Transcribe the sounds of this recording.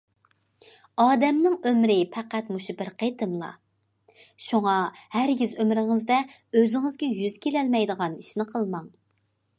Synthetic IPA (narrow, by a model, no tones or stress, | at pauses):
ɑːd̪ɛmnɪŋømɾɪpʰɛqæt̪muʃubɪɾqʰet̪ʰɨmlˠɑ̰ | ʃuŋɑhæɾɡʲizømɾɪŋɪzd̪ɛøzɪŋɪzɡʲɛjyz̥kʲʰelɛlmɛjd̪əʁɑniʃnɪqʰəlˠmɑŋ